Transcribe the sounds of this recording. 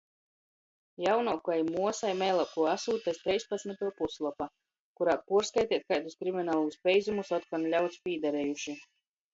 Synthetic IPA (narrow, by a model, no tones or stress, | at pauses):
jawnɔːkuajmuɔsajmɛjlˠap̚kuɔasuːt̪ɛst̪ɾɛjspat̪smʲit̪uɔpuslˠɔpa | kuɾaːpuɾskajt̪ʲiɛt̪̚kajt̪u̥skɾiminaːlˠuuspʲɛjzumusɔt̪̚kanlʲawt̪spʲiːd̪aɾɛːjuʃi